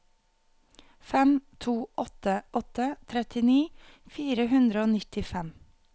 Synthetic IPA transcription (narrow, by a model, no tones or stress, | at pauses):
fɛmt̪ʰuːʔɔt̪əɔt̪ət̪ʰɾɛt̪ɪniː | fiːɾəhʉnd̪ɾəoːnɪt̪ɪfɛm